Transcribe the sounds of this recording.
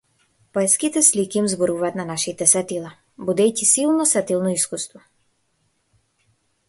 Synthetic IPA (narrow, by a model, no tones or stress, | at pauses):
pɔɛskit̪ɛslikʲiimzbɔɾuvaːt̪nanaʃit̪ɛsat̪ilˠa | bud̪ɛjcisilˠnɔsat̪ilˠnɔiskust̪vɔ